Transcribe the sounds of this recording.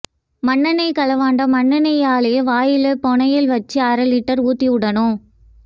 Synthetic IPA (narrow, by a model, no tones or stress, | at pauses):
mɐɳːɐnɐɪkɐlɐʋaːɳɖɐmɐɳːɐnɐjaːleːʋaːjɪlɯpɔɳɐjɪlʋɐt͡ʃːiɐɾɐlɪʈːɐɾuːt̪ːiʊɽɐnʊ̃